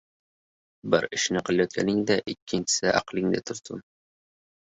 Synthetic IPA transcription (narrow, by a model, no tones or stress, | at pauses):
bɪɾɪʃnɪqʰɨlˠajɒt̪̚kʲʰa̰nɪŋd̪aʔɪkʲʰːɪnt͡ʃʰɪ̥sɪʔa̰qlˠɪŋd̪ɪt̪ʰʊɾt̪ʰʊ̰m